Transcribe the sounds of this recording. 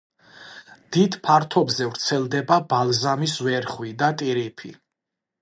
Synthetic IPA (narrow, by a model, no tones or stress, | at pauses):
d̪̥id̪pʰaɾt̪ʰɔbzɛvɾt̪sʰɛlˠd̪ɛbabalˠzamisvɛɾχwid̪at̪ʼiɾipʰḭ